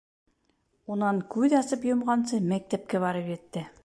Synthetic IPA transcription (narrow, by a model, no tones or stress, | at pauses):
unɑŋkʉðɑsɤpjŏmʁɑnsɤmæk̚t̪æp̚kæβɑɾɤpjɘ̆t̪ːɘ